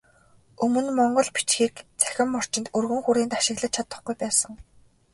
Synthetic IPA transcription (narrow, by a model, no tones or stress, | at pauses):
ɵmɵ̆nmɔɴɢɞ̆ɮpi̥t͡ɕxiːkt͡sæ̥xʲɪ̆mːɔr̥t͡ɕɪ̆nt̪ɵrɣɵ̆ŋxuɾiːnt̪aʃɪ̆ɣɮə̆t͡ɕʰat̪ə̆χɡujpæːsə̆ŋ